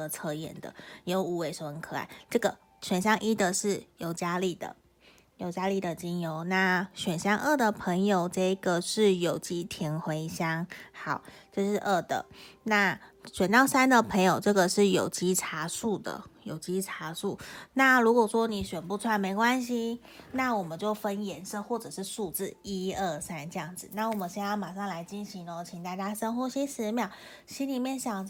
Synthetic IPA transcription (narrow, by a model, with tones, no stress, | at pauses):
ə˧t͡sʰɤ˧˥jɛ̰˨˩nd̪ə̰˩˦jo˧˥ʊu˧˥we˧˩ɪʂo˧˩ə˧˥kʰɤ˨˩a̰˨˧˩ɪʈ͡ʂɤ˥˩ɡə˩ | ɕɥɛ˨˩nɕ̬jɑ˥ŋʔi˦˥d̪ə˨ʂɻ̩˥˩jo˨˩ʊt͡ɕja˥li˥˩d̪ə̰˩ | jo˨˩ʊt͡ɕja˥li˥˩d̪ə˩t͡ɕi˦˥njo˧˥ʊna˥˩ɕɥɛ˨˩nɕjɑ˥ŋʔə˥˩d̪ə˨˩pʰə˧˥ŋjo˨˩ʊʈ͡ʂɤ˥˧i˧˥ɡə˨ʂɻ̩˥˩jo˨˩ʊt͡ɕi˥t̪ʰi˧˥ŋxwe˧˥ɪɕjɑ˥ŋxɑ˨˩˦ʊ | t͡ɕo˥˧ʂɻ̩˥˧ʔə˥˩d̪ə̰˩na˥˩ɕɥɛ˨˩nt̪ɑ˥˩ʊsa˥nd̪ə˨pʰɤ˧˥ŋjo˨˩ʊʈ͡ʂɤ˥˩ɡə˨˩ʂɻ̩˥˩jo˨˩ʊt͡ɕi˥ʈ͡ʂʰa˧˥ʂu˥˩d̪ə̰˩jo˨˩ʊt͡ɕi˥ʈ͡ʂʰa˧˥ʂu˥˩na˥˩lu˧˥kwɔ˨˩ʂwɔ˥ni˨˩ɕɥɛ˨˩npu˥˧t͡sʰwa˥˩nme˧˥ɪkwa˥nɕ̬i˧ | na˥˩wɔ˨˩mə˦nt͡ɕjo˥˩ʊfə˦njɛ˧˥nʂɤə˥˧xwɔ˥˩ʈ͡ʂɤ˨˩ʂɻ̩˥˧ʂu˥˧t͡sɹ̩˥˩i˥ə˥˩sa˥nt͡ɕjɑ˥˩ŋd͡zɹ̩˨˩˦na˥˩wɔ˨˩mə˨˦nɕjɛ˥nja˥˩ma˨˩ʂɑ˥˩ŋla˧˥ɪt͡ɕi˥nɕi˧˥ŋə˧t͡ɕʰi˨ŋt̪a˥˩t͡ɕja˥ʂə˥nxwɔ˧˥ɕi˥ʂɻ̩˧˥mjɑ˨˩ʊ | ɕi˥nli˨˩mjɛ˥˩nɕjɑ˨˩ŋ